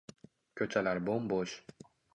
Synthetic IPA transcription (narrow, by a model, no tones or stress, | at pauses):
kʲʰøt͡ʃʰalæɾbomboʃ